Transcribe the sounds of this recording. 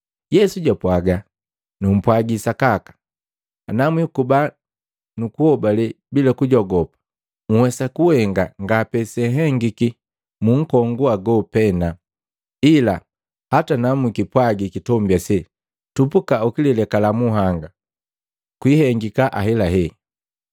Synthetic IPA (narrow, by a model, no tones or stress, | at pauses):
jɛsuɟapwaɡa | num̩pwaɡisakakḁ | namwikuba | nukuhɔbalɛ | bilakuɟɔɡɔpḁ | ŋ̩wɛsakuhɛŋɡaŋɡapɛsɛɦɛŋɡiki | muŋ̩kɔŋɡuaɡɔpɛna | ila | hatanamwikipwaɡikitɔmbjasɛ | tupukaukililɛkalamuɦaŋɡa | kwihɛŋɡikaʔaɦɛlaɦɛ